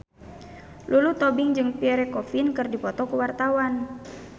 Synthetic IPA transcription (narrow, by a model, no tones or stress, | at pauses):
lʔulut̪ɔbɪŋd͡ʒɨŋpiɛɾɛkɔfinkɨrdipɔt̪ɔkuwart̪awan